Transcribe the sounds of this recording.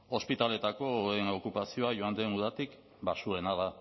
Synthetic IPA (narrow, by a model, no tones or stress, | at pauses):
o̞spit̪ale̞t̪ako̞eno̞kupasio̞aʝoand̪enuðat̪ik | basue̞naða